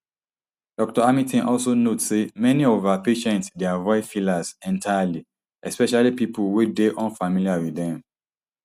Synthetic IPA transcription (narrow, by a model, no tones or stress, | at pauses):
d̥ɔk̚tɔamĩtɛ̃nʔɔlsonotsemɛniɔvapeʃɛ̃ntsdeavɔɪfilazɛ̃ntʰajali | ʔɛspɛʃalipipulwedeʔɔ̃nfamiliawiðɛ̃m